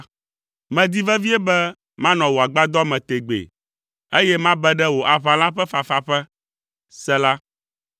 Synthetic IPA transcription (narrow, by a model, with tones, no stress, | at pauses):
mɛ̃˨d̪i˦vɛ˦vi˦ɛ˦bɛ˦ | mã˦nɔ̃˨wo˨a˨ɡ͡ba˦d̪ɔ˦mɛ̃˨t̪e˨ɡ͡bḛ˨ | e˦jɛ˦mã˦bɛ˦ɖɛ˦wo˨ʔa˨βã˨la˦ɸɛ˦fa˨fa˨ɸɛ˦ | sɛ˦la˦